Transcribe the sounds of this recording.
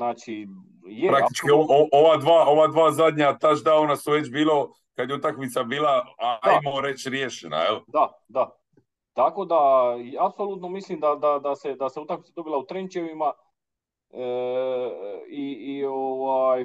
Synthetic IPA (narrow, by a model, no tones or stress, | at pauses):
naːt͡ʃi | jepɾakt̪it͡ʃkioooʋad̪ʋaːo̞ʋad̪ʋaːzad̪ɲat̪aʒd̪aonasuʋe̞t͡ɕbiːlo | kad̪jeut̪akmit̪sabiːlˠaaaajmoɾe̞t͡ɕɾjeʃena̰jeld̪a | d̪a | t̪akod̪aapsoluːt̪nomislimd̪ad̪ad̪ased̪aseut̪akmit̪sad̪o̞bilaut̪ɾent͡ʃeʋima | iːoʋaj